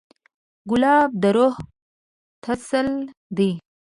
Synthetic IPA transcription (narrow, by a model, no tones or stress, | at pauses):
ɡʊlɑːb̚d̪əɾoh | t̪ʰasəld̪i